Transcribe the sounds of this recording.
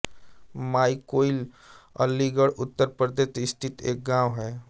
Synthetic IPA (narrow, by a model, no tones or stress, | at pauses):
maːikoːil | ə̰lːiɡəɽʊt̪ːəɾpəɾd̪ʱet̪ɪst̪ʰɪt̪ḛːk̚ɡãːwɦɛː